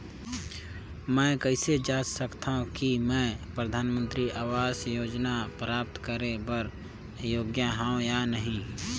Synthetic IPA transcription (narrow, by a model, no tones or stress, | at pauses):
mɛ̃ːkəɪsed͡ʒaːd͡ʒsəkt̪aɦũkimɛ̃ːpɾəd̪ʱaːnmə̃nt̪ɾiʔaːʋaːsjoːd͡ʒnapɾaːp̚t̪kəɾẽbəɾ | joːɡjaɦãːõjanəɦĩ